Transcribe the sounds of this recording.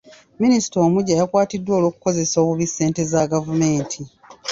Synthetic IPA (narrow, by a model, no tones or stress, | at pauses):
minisi̥toːmuɟajakwaːtidːwo̞ːloːku̥ko̞ze̞so̞ːβuβisːe̞ːnte̞zaɡavume̞ːntʰi